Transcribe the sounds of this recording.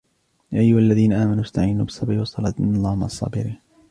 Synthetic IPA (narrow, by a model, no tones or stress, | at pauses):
jaʔajːʊhalːaðiːnaʔaːmanuʔast̪aʕiːnṵbɪsˤːɑbʕɪwɑsˤɑlɑt̪nɑðˤɑːmʔɑsˤːɑ̰ːbɪɾiːn